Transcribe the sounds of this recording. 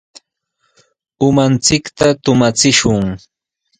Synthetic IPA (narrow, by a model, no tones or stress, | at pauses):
ʊmant͡sɪkt̪at̪ʊmat͡sɪʃʊŋ